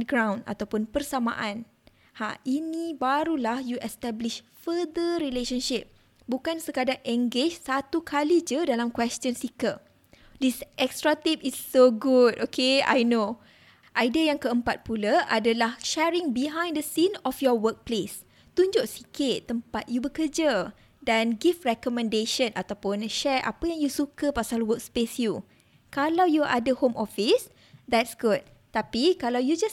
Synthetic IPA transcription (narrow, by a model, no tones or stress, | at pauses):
ɡɾãw̃nda̰t̪awpʊnpərsama̰ʔãn | hainĩbaɾulahjuʔɛst̪ɛbliʃ | fəd̪əɾileʃənʃip̚ | bukansəkadaŋʔɛŋɡed͡ʒsat̪ukʰalid͡ʒudalamkwɛst͡ʃənsikə | disʔɛkstɾat̪ip̚isːoɡudokʰea̰jno | ʔajdiajaŋkəəmpat̪̚pulaʔadəlahʃɛɹĩŋbiɦãj̃ndəsĩnɔfjɔwək̚ples | t̪uɲd͡ʒʊʔsi̥kit̪ːəmpat̪̚jubəkəd͡ʒə | dãnɡifɹɛkɔmɛ̃ndeʃə̃nat̪awpʊnʃɛɹʔa̰pəjaŋjusukəpasalwək̚spesju | kalawjuʔadəhomɔfis | d̪ɛt̚sɡud̪̚ | t̪apikalawjud͡ʒas